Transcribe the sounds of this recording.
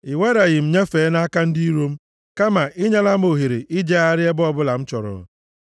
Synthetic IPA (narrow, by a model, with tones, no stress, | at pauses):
ɪ˨we˦ɾa˨ɣɪ˨m̩˨ɲe˦feː˨˦na˦ka˦n̩˦di˦i˦ɾo˦m̩˦ | ka˦ma˨ʔɪ˦ɲa˦la˦m̩˦o˨ɦe˨ɾe˨ʔi˦d͡ʒe˦a˦ɾɪ˦e˦bʊ˦ɔ˦bʊ˦la˨m̩˦t͡ʃɔ˨ɾɔ̰˨